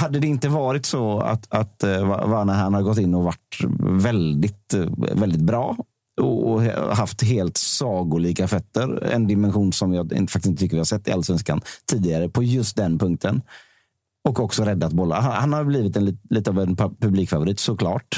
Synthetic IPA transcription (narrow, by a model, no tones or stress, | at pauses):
had̪ːəd̪ɛɪnt̪əvɑːɾɪt̪sɔa̰t̪at̪va̰vanæɾhanhad̪əɡɔt̪ːɪnːɔvaʈvɛld̪ɪt̪vɛld̪ɪt̪̚bɾɑː | ɔɔ̰ɦaft̪ɦeːlt̪sɑːɡʊɭiːkafœt̪ːəɾɛ̰nd̪ɪmɛnɧuːnsɔmjɑːɪ̰ntfakt̪sɪnət̪ʰʏkːəɾvɪhaɾsɛt̪ːɪʔalːasvɛnska̰nt̪ʰiːd̪ɪɡaɾəpʰɔjɵst̪̚d̪ɛnpʰɵŋk̚t̪ʰən | ɔkɔksɔɾɛd̪ːat̪̚bɔlːa̰ɦanhanhaɾbliːvɪt̪ɛnːliːt̪əavɛnppʰɵbliːkfavʊɾiːt̪sɔkʰlɑ̰ːʈ